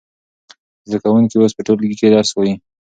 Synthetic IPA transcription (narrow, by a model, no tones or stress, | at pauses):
zd̪akawuŋkiospəʈollɡiked̪ɑɾswaji